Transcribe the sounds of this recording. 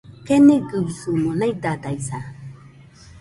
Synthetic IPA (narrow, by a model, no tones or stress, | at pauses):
kɛneɡəwisomɔ̃nãidadaisa